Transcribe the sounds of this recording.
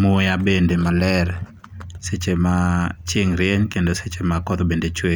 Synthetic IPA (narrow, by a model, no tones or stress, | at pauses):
mojabendemalɛɾ | set͡ʃemat͡ʃɪŋɾɪɛɲkendoset͡ʃemakɔt̪obendet͡ʃwe